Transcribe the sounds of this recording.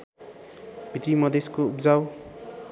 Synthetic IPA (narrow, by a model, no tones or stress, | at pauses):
bʱit̪ɾimʌd̪eskoupd͡zaw